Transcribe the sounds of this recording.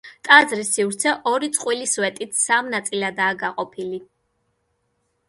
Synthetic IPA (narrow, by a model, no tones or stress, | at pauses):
t̪ʼazɾisːivɾt̪sʰɛʔɔɾit̪sʼqʼwilisvɛt̪ʼit̪ʰsamnat̪sʼilad̪aːɡaqʼɔpʰili